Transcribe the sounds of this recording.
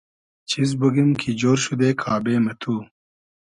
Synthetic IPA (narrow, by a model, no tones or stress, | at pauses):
t͡ɕʰiz̬buɡimkʰid͡ʑoːɾɕud̪eːkʰaːbeːmet̪ʰuː